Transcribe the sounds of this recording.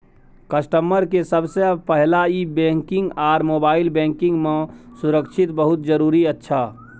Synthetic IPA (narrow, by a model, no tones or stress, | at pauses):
kəsʈəməɾkesəbsepəɦlaibẽŋkɪ̃ŋɡaːɾmoːbaːɪlbẽːŋkɪ̃ŋɡmẽsuɾəkʃʰit̪bəɦut̪̚d͡ʒəɾuːɾiətːʃʰa